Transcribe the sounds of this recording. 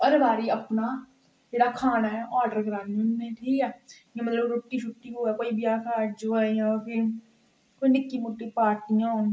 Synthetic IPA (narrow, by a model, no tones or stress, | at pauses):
ɔɾbaːɾiːəpnaː | d͡ʒeːɽaːkʰaːnaːɛʔɔːɖəɾkɾaːninmẽːʈʰiːkɛː | ẽːmət̪ləbɾoːʈːiːʃʰʊʈːiːɦoːɛːkoːiːbɪjaːkʰaːʈd͡ʒoaːjãpʰɪɾ | koːiːnɪkːiːmʊʈːiːpaːɾʈɪjãːoːn